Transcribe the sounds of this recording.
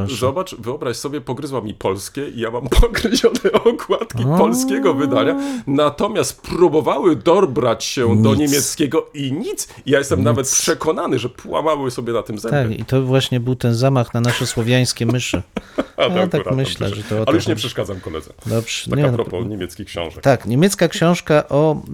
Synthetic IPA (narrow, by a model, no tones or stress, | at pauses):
zɔbat͡ʂvɘɔbɾaɕsɔbʲjɛpɔɡɾɘzwamʲipɔlskʲɛʔijamampʰɔɡɾɘʑɔnɛɔkwat̪kʲipɔlskʲɛɡɔvɘd̪aɲanat̪ɔmʲjast̪pɾubɔvawɘd̪ɔbɾat͡ɕɕɛd̪ɔɲemʲjɛt̪skʲɛɡɔiɲit̪sijajɛst̪ɛmnavɛt̪̚pʂɛkɔnanɘʐɛpwa̰mawɘsɔbʲjɛnat̪ɘmzɛt̪akkḭt̪ɔvwaɕɲɛbɘwt̪ɛnzamaxnanaʂɛswɔvʲjaj̃skʲɛmɘʂɘ̰alat̪aɾmɘɕlɛ̰ʐɛt̪ɔɔalɛjuuʂɲɛpʂɛʂkad̪zamkɔlɛ̰d̪zɛ̰d̪ɔbʐ̥ɛaɲɛɾɔpɔ̰ɲemʲɛt̪skʲikɕɔ̰̃w̃ʐɛkt̪akɲemʲjɛt̪skakɕɔ̃w̃ʂkaʔɔ